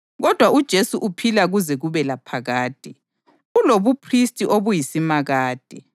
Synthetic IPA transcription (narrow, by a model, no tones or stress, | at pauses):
ɣɔd̥ʱwaud̥ʒ̥ʱesuʔupʰilaɣuzɛɣuβɛlapʰaɣaːd̥ʱʼɛ | uloβupʰristʼiʔoβujisimaɣaːd̥ʱɛ